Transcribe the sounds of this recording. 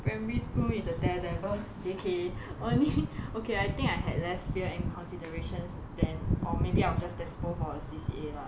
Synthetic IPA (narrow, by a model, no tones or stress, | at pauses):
pɹɛ̃mɹiskulisətɛlɛbəd͡ʒekʰeʔõnliokeajt̪ɪ̃ŋkajɦɛ̰dlɛsfiəɛ̃nkʰɔ̃nsidəɹeʃə̃ns | dɛ̃nʔɔmebiaɪwɔd͡ʒastɛsfofɔəsisḭela